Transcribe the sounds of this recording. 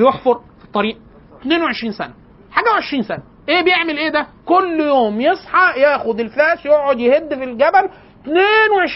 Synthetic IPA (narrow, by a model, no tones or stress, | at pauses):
joħfoɾˤfi̥t̪ˤːɑɾiːʔ | t̪neːnweʕeʃɾiːnsæ̰næ | ħaːɡæweʕeʃɾiːnsænæ | ʔeːbejeʕmelʔeːd̪ækolːjoːmjesˤħɑjæːxod̪elfæːsjoʕʕod̪jehed̪ːfilɡæbæl | t̪neːnweʕeʃ